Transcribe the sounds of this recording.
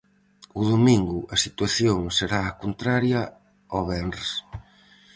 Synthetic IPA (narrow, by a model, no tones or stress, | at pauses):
ʊðomĩŋɡʊʔɐsit̪waθjoŋseɾaːkont̪ɾaɾjɐ | oβɛns